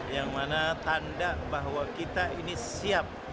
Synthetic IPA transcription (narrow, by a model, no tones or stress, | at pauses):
jaŋmanat̪andabaɦwakit̪ainisiap̚